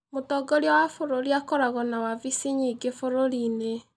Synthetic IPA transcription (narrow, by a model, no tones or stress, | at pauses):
motɔɡɔɾjawafoɾoɾiakɔɾaɣɔnawavisiɲiɡefoɾoɾine